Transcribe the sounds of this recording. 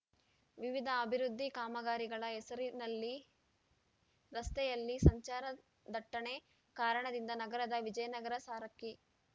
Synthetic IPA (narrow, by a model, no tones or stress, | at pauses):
ʋiʋid̪ʱɐːbʱiɾud̪ʱːikaːmɐɡaːɾiɡɐɭɐesɐɾinɐlːi | ɾɐst̪ɛjɐlːisɐɲt͡ʃaːɾɐ | d̪ʱɐʈːɐɳe | kaːɾɐɳɐd̪ind̪ɐnɐɡɐɾɐd̪ɐʋid͡ʒɐjɐnɐɡɐɾɐsaːɾɐkːi